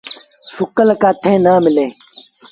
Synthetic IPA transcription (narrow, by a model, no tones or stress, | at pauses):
sukɐlɐkaːt̪ʰẽːnaːmɪlẽː